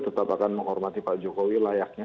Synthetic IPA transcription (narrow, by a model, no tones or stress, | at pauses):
t̪ət̪apakanməŋɦɔrmat̪ipad͡ʒokowilajak̚ɲa